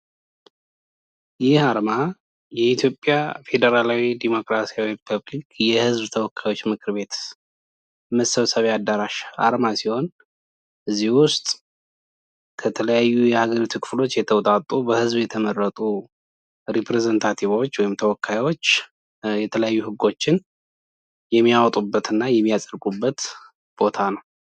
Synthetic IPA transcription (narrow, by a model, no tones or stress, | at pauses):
jɪhaɾma | jɛit̪ʰjo̞pʼːja̰fe̞d̪əɾalawid̪emo̞kɾasijawiɾipʰəβlikjɛhɨzbt̪ʰəwɔkːajwo̞t͡ʃːmɨkʰɨɾbe̞t̪ | məsːəβsəβead̪ːəɾaʃʔa̰ɾmasiho̞n | ʔɨzːihwʊst̪ʼ | kʰət̪ʰələjajːujɛhaɡəɾit̪ʰukʰɨ̥flo̞t͡ʃːjɛt̪ʰəwt̪ʼat̪ʼːubəhɨzbjɛt̪ʰəmərːət̪ʼu | ɾipɾezent̪ʰat̪ʰiβo̞t͡ʃːwɔjɪmt̪ʰəwɔkʰːajwot͡ʃː | jɛt̪ʰələjajːuhɨɡːo̞t͡ʃːɪn | jɛmːijawt̪ʼubːət̪ɨnːajɛmːijasʼəɾkʼubːət̪ | b̥o̞t̪ʰanəw